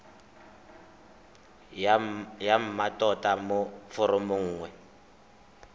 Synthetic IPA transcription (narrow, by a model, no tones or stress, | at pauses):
jam̩matʼɔtʼamofʊɾʊmʊŋ̩ːŋwɛ